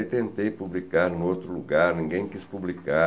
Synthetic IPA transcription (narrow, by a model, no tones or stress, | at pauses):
t̪ẽnt̪ejpublikaɾnʊowt̪ɾʊluɡaɾnĩŋɡẽj̃kispublika